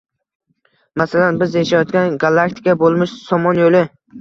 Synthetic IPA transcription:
masalanbɪzjaʃajɒt̪kʲanɡalˠːakt̪ʰɪ̥kʰabolˠmɪʃsɒmɒnjolɪ

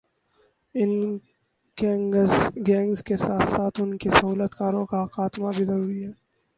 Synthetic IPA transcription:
ɪn | ɡɛːŋɡsɡɛ̃ːŋɡzkesaːt̪ʰsaːt̪ʰʊnkesɐɦuːlət̪kaːɾõkaxaːt̪mabʱizɐɾuːɾiɦɛː

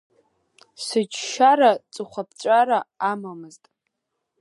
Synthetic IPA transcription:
sɨd͡ʒʃaɾat͡sʼɨχʷap̚ʰt͡ɕʷʼaɾaamamɨztʼ

